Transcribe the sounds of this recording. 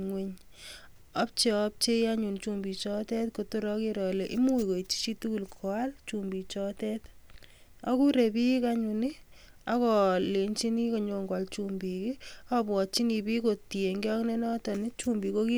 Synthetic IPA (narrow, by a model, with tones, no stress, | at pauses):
ŋwe˦ɲ | a˦p̚t͡ʃe˦ɔp̚t͡ʃe˦ja˦ɲu˨nt͡ʃu˦mbi˨t͡ʃɔ˦tɛ˦tko˨to˦ɾɔ˦ki˦ɾɔ˨le˨ʔɪ˦mu˦i˨ko˨i˨t͡ʃi̥˦t͡ʃi˦tu˦ku˨lkʰɔ˨a˦lt͡ʃumbi˨t͡ʃɔ˦tɛ˦t | a˦ku˦ɾe˨pi˦ka˦ɲu˨ni˦ | akɔ˨le˨nt͡ʃi˦ni˦ko˨ɲo˨ŋɡwa˨lt͡ʃumbi˨ki˦ɔbwɔ˨t͡ʃi˦ni˨bi˦ko˨ti˨e˨ŋɡe˦ɔ˦kne˦nɔ˦tɔ˨nɪ˦t͡ʃu˦mbi˨koki˦